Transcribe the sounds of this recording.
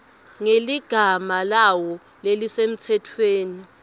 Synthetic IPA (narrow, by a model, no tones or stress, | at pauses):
ŋeliɡ̥ʱamalawɔ | lelisem̩tʰɛtʰweːni